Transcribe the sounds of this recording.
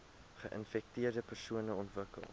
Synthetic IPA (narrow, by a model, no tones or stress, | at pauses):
χəʔənfɛk̚tiərdəpərsuənəɔntvəkə̰lˠ